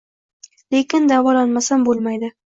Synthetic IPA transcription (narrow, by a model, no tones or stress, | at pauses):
lekʲɪnd̪avɒlanmasambolˠmajd̪ɪ